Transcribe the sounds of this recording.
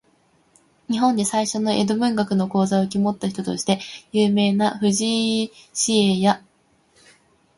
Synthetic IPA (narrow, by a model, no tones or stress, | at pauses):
ɲ̟iɦõ̞nd̪e̞saiɕo̞no̞ʔe̞̰d̪o̞bɯ̟̃ŋɡakɯ̟no̞ko̞ːzaokʲimo̞t̪ːaçi̥t̪o̞t̪o̞ɕi̥t̪e̞jɯːme̞ːnaɸɯ̟ʑiɕieja